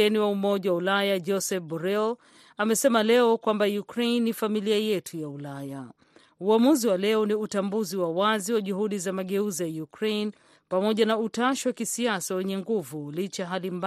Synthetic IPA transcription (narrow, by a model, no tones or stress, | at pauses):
ɛniwaumɔʄawaulajad͡ʒɔsɛfbɔɾɛl | amɛsɛmalɛɔkwambajukɾenːifamiliajɛtʰujaulaja | uamuziwalɛɔniutambuziwawaziwaʄuɦuɗizamaɠɛuzijajukɾejn | pamɔʄanautaʃiwakisiasawɛɲɛŋɡuvulit͡ʃaɦalimb